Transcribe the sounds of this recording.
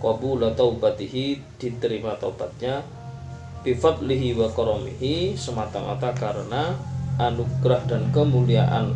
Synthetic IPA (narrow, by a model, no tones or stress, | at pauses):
kɑbulat̪aubat̪iɦi | d̥it̪əɾimat̪auba̰t̪̚ɲa | b̥ifɑd̪liɦiwakɔɾɔmḭɦisəmat̪aŋa̰t̪akaɾənaʔanuɡɾahdankəmuliaʔa̰n